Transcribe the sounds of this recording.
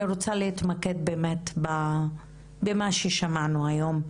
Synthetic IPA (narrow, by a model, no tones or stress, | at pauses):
ɾot͡salehit̪make̞d̪̚beːmetba | bemaʃeʃamanuajo̞m